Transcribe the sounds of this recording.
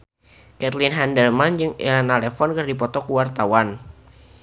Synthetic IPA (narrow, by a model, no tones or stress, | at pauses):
kɛt̪linɦɛndɛrmand͡ʒɨŋɛ̰lanalɛfɔnkɨrdipɔt̪ɔkuwart̪awan